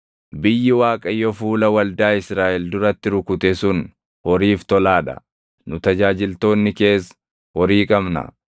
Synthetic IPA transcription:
bɪjːɪwaːkʼɐjːɔfuːlɐwɐld̪aːɪsɾaːʔɛld̪ʊɾɐt̪ːɪɾʊkʊt̪ɛsʊn | hɔɾiːft̪ɔlaːᶑɐ̰ | nʊt̪ɐd͡ʒaːd͡ʒɪlt̪o̞ːnːɪke̞ːs | hɔɾiːkʼɐmnɐ̰

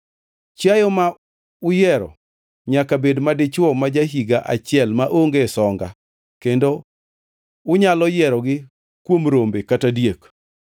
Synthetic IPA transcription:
t͡ʃajɔma | ʊjɛɾɔ̰ | ɲakabedmadɪt͡ʃwɔmad͡ʒaɦiɡaʔat͡ʃɪɛlmaʔoŋɡesɔŋɡa̰ | kendo | ʊɲalɔjɛɾɔɡɪ | kwomɾombekatadjek

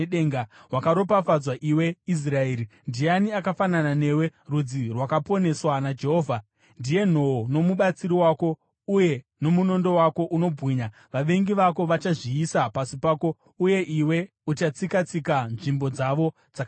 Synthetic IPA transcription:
eŋɡawakaɾo̞pafad͡zwaʔiwe̞is̬rae̞ːɾindijaniakafananane̞we̞rud͡zirwakapo̞ne̞swanad͡ʒe̞ɦo̞ːvʱa | ndije̞n̤o̞ono̞muɓat͡siɾiwaːko̞ | uje̞ | no̞muno̞ndo̞wako̞ʔuno̞bʱɣiːɲa | ʋaʋe̞ŋɡiʋako̞ʋat͡ʃaʐiːsapasipaːko̞ | uje̞ʔiwe̞ | ut͡ʃat͡sikat͡sikanʐimbo̞d͡zaʋo̞ | d͡zak

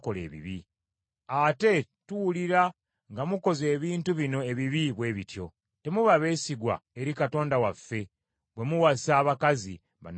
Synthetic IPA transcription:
ko̞lḛːβḭβi | ate̞ | tuwuliɾa | ŋɡamuko̞ze̞ːβiːntuβino̞e̞βiβiβwe̞ːβitjo̞̰ | te̞muβaβe̞ːsiɡwa̰eɾikato̞ːndawafːe̞ | βwe̞muwasaːβakazḭ | βa̰n

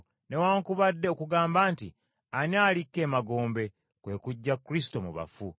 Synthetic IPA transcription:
ne̞waːŋkuβadːeo̞kuɡaːmbaːntḭ | anaːlikːe̞ːmaɡo̞ːmbe̞ | kwe̞ːkuɟːakːɾis̬i̥to̞mṵβa̰fu

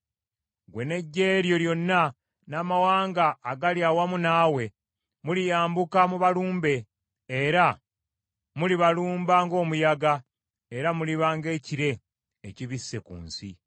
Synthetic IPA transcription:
ɡwe̞ne̞ɟːe̞ːɾjo̞ljo̞nːa | naːmawaːŋɡaːɡaljaːwamunaːwe̞ | mulijaːmbukamuβaluːmbe̞ː | ɾa | muliβaluːmbaŋɡo̞ːmujaɡa | eɾamuliβaːŋɡe̞ːciɾe̞ː | ciβisːe̞̰kṵːnsḭ

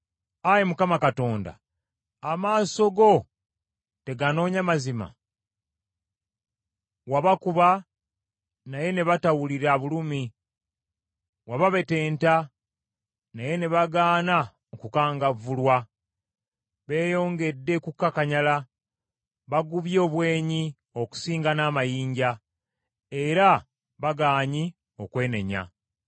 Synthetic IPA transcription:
ajemukamakato̞ːnda̰ | amaːso̞ɡo̞ | te̞ɡano̞ːɲamazima̰ | waβakuβa | naje̞ne̞βatawuliɾaβulumi | waβaβe̞te̞ːnta | naje̞ne̞βaɡaːna | okukaːŋɡavulwa | βe̞ːjo̞ːŋɡe̞dːe̞kukːakaɲala | βaɡuβjo̞ːβwe̞ːɲi | o̞ku̥siːŋɡanaːmajiːɲɟa | e̞ɾa | βaɡaːɲi | o̞kwe̞ːne̞̰ɲa̰

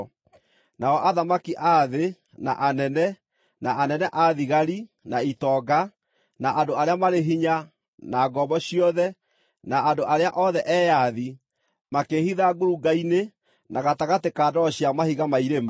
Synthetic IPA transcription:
naɔʔaðamakiʔaðe | na̰ʔanɛnɛ | naanɛnɛʔaðiɣaɾi | naitɔɡa | naʔandoaɾeamaɾeɦiɲa | naːɡɔbɔɕiɔðɛ | naʔːndoʔaɾeaʔɔðɛʔɛːjaði | makehiðaɡuɾuɡaine | nʔaɣataɣatekadɔɕiamahiɣamaiɾema

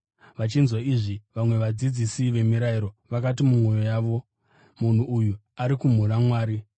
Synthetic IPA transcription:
ʋat͡ʃinzwaiʐiʋamwe̞ʋad͡zid͡zisiʋe̞miɾaiɾo̞ʋakat̬imumwo̞jo̞jaːʋo̞ | mun̤uuju | aɾikum̤uɾamwaːɾi

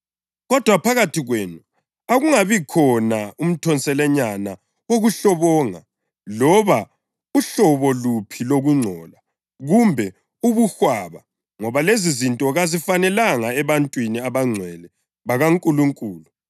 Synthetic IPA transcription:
ɣɔd̥ʱwapʰaɣatʰiɣweːnu | aɣuŋaβikʰɔnaum̩tʰɔnt͡sʼɛlɛɲana | woɣuɬɔβɔːŋa̰ | lɔβa | uɬɔβɔlupʰiloɣuŋ͡ǀʱɔːla | ɣumbʱɛ | uβuxwaːβa | ŋɔβalezizintʼɔɣazifanɛlaŋaɛβantʼwiniaβaŋ͡ǀʱwɛlɛ | βaɣaŋkʼuluŋkʼuːlu

